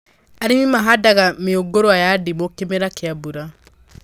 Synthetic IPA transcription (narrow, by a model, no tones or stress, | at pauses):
aɾenimaɦadaɣameoɡoɾoajadimokemeɾakeabuɾa